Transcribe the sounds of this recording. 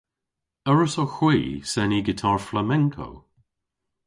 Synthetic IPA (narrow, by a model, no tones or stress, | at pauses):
əɹəsoxwiːsɛniɡɪtʰaɹflamɛŋkʰo̰